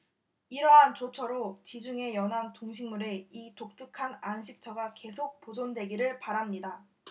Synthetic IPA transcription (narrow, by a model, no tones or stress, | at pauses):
iɾʌɦant͡ɕot͡ɕʰʌɾot͡ɕid͡ʑuŋe̞jʌnɦantoŋɕʰiŋmuɾe̞itok̚t͈ɯkʰananɕʰik̚t͡ɕʰʌɡake̞sʰok̚pod͡ʑondwe̞ɡiɾɯɭpaɾamɲida